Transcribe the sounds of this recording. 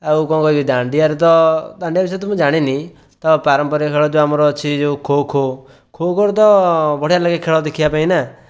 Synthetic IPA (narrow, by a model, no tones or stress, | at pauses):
eukɔ̃ːkɔbid̪ãːɳɖiaɾt̪̬ɔd̪ãɳɖijabɪs̬et̪̬ʊmũd͡ʒaːɽ̃ini | t̪ɔpaɾəmpəɾekʰeːɭɔd͡ʒoamɾɔt͡ʃʰid͡ʒokʰoːkʰo | kʰoːkʰoɾt̪ɔbɔɽealəɡekʰːeːɭɔd̪ekʰijapaːĩna